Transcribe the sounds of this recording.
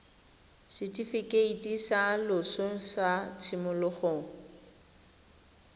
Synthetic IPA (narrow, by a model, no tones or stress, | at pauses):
sɪtʼifikʼeitʼisalʊsosat͡sʰɪmʊlʊχoːŋ̩